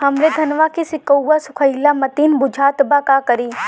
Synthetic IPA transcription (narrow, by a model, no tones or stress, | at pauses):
hɐmɾed̪ʱɐnʋakisɪkəwːasʊkʰəjlamɐt̪iːnbʊd͡ʒʱaːt̪bakakɐɾiː